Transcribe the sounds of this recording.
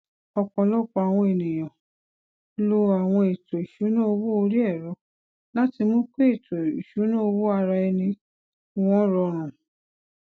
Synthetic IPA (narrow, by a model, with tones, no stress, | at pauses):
ɔ˧k͡pɔ̃˧lɔ˦˨k͡pɔ˧a˨w̃ɔ̃˧e˨nĩ˨j̃ã˨ | lo˧a˨w̃ɔ̃˧e˨to˨i˨ʃu˨˦nã˦o˧wo˦o˧ɾi˦ɛ˦˨ɾɔ˨˦ | la˦ti˧mõ˦k͡pe˦e˦˨to˨i˨ʃu˨˦nã˦o˧wo˦a˧ɾa˧ɛ˧nĩ˧ | w̃ɔ̃˦ɾɔ˧ɾ̃ũ˨